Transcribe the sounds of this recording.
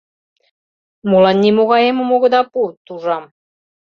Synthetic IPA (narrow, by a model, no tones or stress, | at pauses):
mulɑnːʲimoɣɑjemomoɣɤ̆d̪ɑput̪uʒɑm